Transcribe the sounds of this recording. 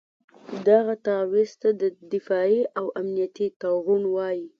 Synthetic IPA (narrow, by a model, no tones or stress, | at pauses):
d̪aɣat̪ɑwist̪ad̪əd̪ɪfɑiʔawamnijat̪it̪aɣunwɑji